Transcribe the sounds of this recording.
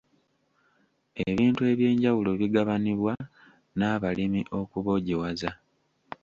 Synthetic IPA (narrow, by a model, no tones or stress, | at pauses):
eβiːntue̞βje̞ːɲɟawulo̞βiɡaβaniβwa | naːβalimiʔo̞kuβo̞ɟiwaza